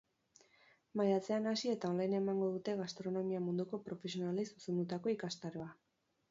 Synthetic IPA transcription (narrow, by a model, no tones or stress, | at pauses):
majat͡se̞anasie̞t̪ao̞nlajne̞maŋɡo̞ðut̪e̞ɣast̪ɾo̞no̞miamund̪uko̞pɾo̞fe̞sionalejsu̥se̞nd̪ut̪ako̞ikast̪aɾo̞a